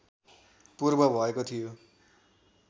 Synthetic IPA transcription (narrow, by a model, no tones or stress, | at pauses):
purbʌbʱʌekot̪ʰijo